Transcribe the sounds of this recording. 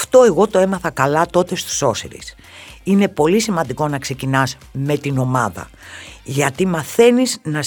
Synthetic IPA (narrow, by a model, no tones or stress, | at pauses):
ft̪o̞eɣo̞t̪o̞e̞mɐθɐkɐlɐt̪o̞t̪e̞st̪u̥so̞sḭɾḭs | ine̞po̞lisimɐnd̪iko̞nɐkse̞cinɐz | me̞t̪ino̞mɐðɐ̰ | ʝɐt̪imɐθe̞niznɐ